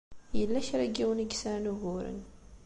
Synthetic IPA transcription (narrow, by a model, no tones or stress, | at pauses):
jəlːæçɾæɡiwəniɡsaɾnuɣʊɾə̰n